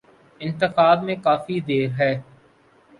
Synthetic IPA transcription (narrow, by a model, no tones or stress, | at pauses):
ɪ̃nt̪ɪxaːbmẽkaːfid̪eːɾɦɛː